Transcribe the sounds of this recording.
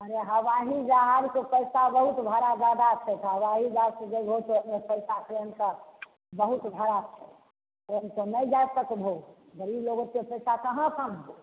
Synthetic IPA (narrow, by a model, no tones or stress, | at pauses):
əɾeɦəʋaɦid͡ʒaɦaɾkepəɪsabəɦut̪bʱaɾad͡ʒad̪at̪ʰet̪ʰaɦəʋaɦid͡ʒaɾked͡ʒeɡʱot̪opnepəɪsakeənka | bəɦut̪bʱəɾatʰe | onkonəid͡ʒat̪əkbʱo | ɡəɾibloɡõkepəɪsakəɦãsʰəmo